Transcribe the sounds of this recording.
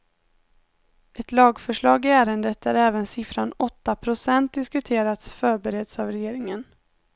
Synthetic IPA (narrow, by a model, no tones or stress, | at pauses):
ʔɛt̪lɑːɡfœʂɭɑːɡɪæːɾənd̪ət̪æɾæːvənsɪfɾanɔt̪ːapʰɾʊsɛnt̪̚d̪ɪskɵt̪ʰeːɾat̪sfœːɾbɛɾɛd̪savɾɛjeːɾɪŋən